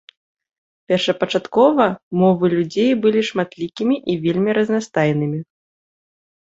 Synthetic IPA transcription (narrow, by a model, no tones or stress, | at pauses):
pʲɛrʂɐpɐt͡ʂat̪kɔvɐmɔvɨlʲud͡zʲejbɨlʲiʂmat̪lʲikʲimʲiʔivʲelʲmʲiɾɐznast̪ajnɨmʲi